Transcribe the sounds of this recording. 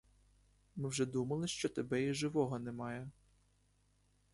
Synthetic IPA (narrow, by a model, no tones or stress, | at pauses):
mɪwʒɛd̪umɐlˠɪʃt͡ʃɔt̪ebɛiʒɪʋɔɦɔnɛmɑjɛ